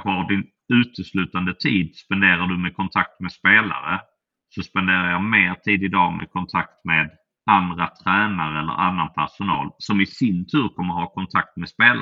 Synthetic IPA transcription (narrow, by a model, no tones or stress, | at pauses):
vɑɖɪn | ʉ̟ːt̪əslʉ̟ːt̪and̪ət̪ʰiːd̪spɛnd̪eːɾaɖɵmɛkʰɔnt̪ʰak̚t̪mɛspeːla̰ɾə̰ | sɔspɛnd̪eːɾajɑmeːɾʈ̪ʰiːd̪ɪd̪ɑːmɛ̰kʰɔnt̪ʰakt̪meːd̪ | and̪ɾat̪ʰɾæːnaɾəɛlːə̰ɾa̰nːanpʰæʂʊnɑ̰ːlsɔmɪsɪnt̪ʰʉ̟ːɾkʰɔmːəɾhɑːkʰɔnt̪ʰak̚t̪mɛd̪speːla̰